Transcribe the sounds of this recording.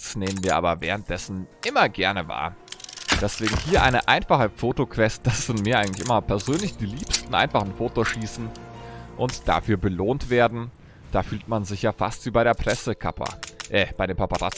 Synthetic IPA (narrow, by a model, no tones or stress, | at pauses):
sneːmənviːɐʔa̰ːbɐvɛ̰ːʁ̞ənt̚d̥ɛsn̩ʔɪmɐɡɛɐnəva̰ːɐd̥ɛsv̥eːɡŋ̩hiːɐʔa̰ɪnəʔaɪnfaχəfoːtokʰv̥ɛst̚d̥asz̥ɪntmiːɐʔaɪɡŋ̩tlɪçʔɪmɐpʰɛɐzøːnlɪçd̥iːliːpstn̩ʔa̰ɪnfaχn̩foːtoʃiːsn̩ʔʊntd̥a̰fyːɐbəloːntv̥eːɐdn̩ | d̥aːfyːltmanzɪçjaːfa̰stv̥iːbaɪɾeːɐpʁ̥ɛsəkʰa̰pʰɐ̰ʔɛːb̥aɪɾeːmpʰapaʁa̰